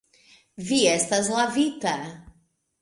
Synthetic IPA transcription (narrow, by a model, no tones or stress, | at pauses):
viɛst̪ɐzlavit̪ɐ